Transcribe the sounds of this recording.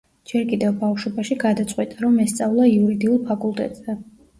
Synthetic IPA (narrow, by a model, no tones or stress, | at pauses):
d͡ʒɛɾkʼid̪ɛvbafʃwɛbaʃiɡad̪at̪sʼqʼwit̪ʼaɾɔmɛst̪sʼavlˠaiuɾid̪iulˠpʰakʼulˠt̪ʼɛ̰t̪ʼz̥ɛ